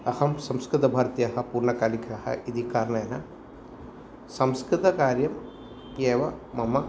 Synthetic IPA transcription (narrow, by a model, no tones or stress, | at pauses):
ɐhɐmsɐ̃mskɾɪt̪ɐbʱaːɾɐt̪jɐɦɐpuːɾɳɐkaːlikʰɐhɐ̰ʔid̪ʱikaːɾnɐjɐnɐ | sɐmskɾɪt̪ɐkaːɾjɐm | keːʋɐmɐmɐ